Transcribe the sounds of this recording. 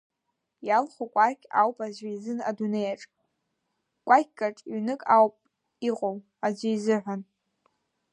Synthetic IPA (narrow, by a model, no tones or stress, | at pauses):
jalχʷukʷʼakʲʰʼa̰wpʼazajzɨna̰dunejaʈ͡ʂʼ | kʷʼak̚ʲɡaʈ͡ʂʼiɥnɨkʼawpʼ | iqʼow | ad͡ʒʷɪizɨʕʷan